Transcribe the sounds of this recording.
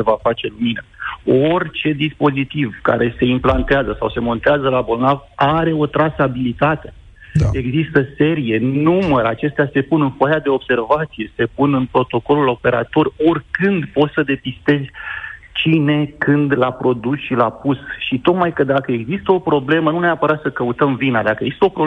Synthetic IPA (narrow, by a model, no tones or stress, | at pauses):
evafat͡ʃe̞luminao̞rʲt͡ʃe̞d̪ispo̞zit̪ivka̰ɾe̞se̞implant̪eazəsawse̞mo̞nt̪eazəlabo̞lnavaɾe̞o̞t̪ɾasabilit̪at̪e̞ | ae̞ɡzist̪əse̞ɾije̞numəɾat͡ʃe̞st̪ease̞punɨnfajad̪e̞o̞bse̞rvat̪sije̞se̞punɨnpɾo̞t̪o̞ko̞lulo̞pe̞ɾa̰t̪o̞ro̞rkɨnd̪po̞t̪səd̪e̞pist̪e̞zʲt͡ʃine̞kɨnd̪lapɾo̞d̪usʃilapusʃit̪o̞k̪majkəd̪akəe̞ɡzist̪əo̞pɾo̞ble̞mənuneapəɾat̪səkəut̪əmvinad̪akəeɡzist̪əopɾo